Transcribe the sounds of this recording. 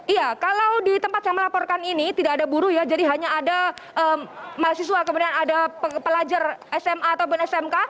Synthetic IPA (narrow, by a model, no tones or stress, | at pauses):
iakalawdit̪əmpat̪̚jaŋməlapɔrkaninit̪idakadabuɾujad͡ʒadiɦaɲaːdaʔəːmaɦasis̬uakəmudianadapəpəlad͡ʒarɛsɛmaːt̪awp̬ʊnɛsɛmka